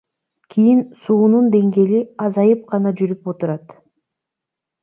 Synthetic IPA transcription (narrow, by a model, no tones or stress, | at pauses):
kʰijinsuːnund̪e̞ŋɡe̞liɑzɑjɯp̚qʰɑnɑd͡ʒyɾypo̞t̪uɾɑt̪